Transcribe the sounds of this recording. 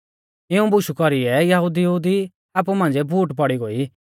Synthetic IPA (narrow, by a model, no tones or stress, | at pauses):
ɪũbʊʃukɔɾiɛjɐɦud̪ijud̪i | aːp̬umãːnɛbʱuːʈpɔɽiɡoːi